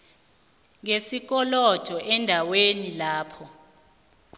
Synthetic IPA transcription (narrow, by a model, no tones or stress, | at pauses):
ŋesik̬ɔlɔd̥ʰʱɔʔɛndʱawenilaːpʰɔ